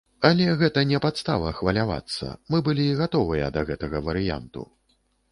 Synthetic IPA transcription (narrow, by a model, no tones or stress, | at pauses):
ɐlʲɛɣɛt̪ɐnʲɛpat̪st̪a̰vɐxvɐlʲava̰t̪sːɐ̰mɨbɨlʲiɣat̪ɔvɨjɐ̰d̪ɐɣɛt̪ɐɣɐvɐɾɨja̰nt̪ṵ